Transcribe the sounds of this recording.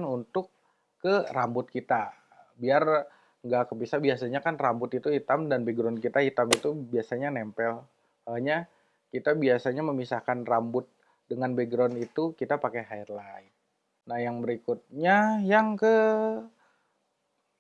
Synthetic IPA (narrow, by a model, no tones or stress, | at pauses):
nunt̪ʊkː | ərambʊt̪̚kit̪a | biar | ŋɡakəpisahbiasaɲakanrambʊt̪it̪uhit̪amdanbeɡɾɔnkit̪ahit̪amit̪ubiasaɲanɛmpɛl | aɲa | kit̪abiasaɲaməmisahkanrambʊt̪̚ | dəŋanbeɡɾɔnit̪ukit̪apakeɦaɪrlaɪt̪̚ | nahjaŋbəɾikut̪̚ɲajaŋkə